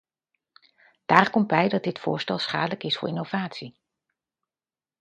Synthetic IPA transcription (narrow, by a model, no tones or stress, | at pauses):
d̥aːɹkɔmt̚bɛjdɑt̚dɪtfʊ̰ːɹstɛlˠsχa̰ːdələkɪsfʊːɹɪnowv̥aːtsi